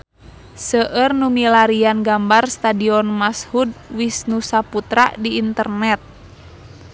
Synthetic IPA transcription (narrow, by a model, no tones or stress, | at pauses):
səʔərnumilaɾianɡambarst̪adiɔnmashud̚wisnusaput̪ɾa̰diːnt̪ərnɛt̪̚